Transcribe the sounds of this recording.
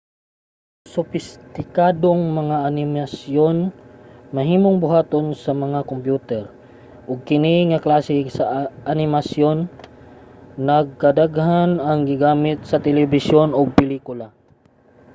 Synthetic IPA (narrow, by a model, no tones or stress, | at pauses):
sʊfɪst̪ɪkad̪oŋmɐŋaʔanɪmasjonmɐɦiːmoŋbʊɦaːt̪onsɐmɐŋakompjuːt̪ɛɾ | ʔʊɡ̚kɪniŋaklaːsɪsɐʔanɪmasjon | ɐɡ̚kɐd̪aɡhanɐŋɡɪɡaːmɪt̪̚sɐt̪ɛlɛbɪsjonoɡ̚pɛliːkʊla